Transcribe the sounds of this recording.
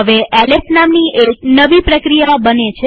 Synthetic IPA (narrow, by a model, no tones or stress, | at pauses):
ɦəʋeʔɛlesnamniʔeknəʋipɾəkɾijabənet͡ʃʰe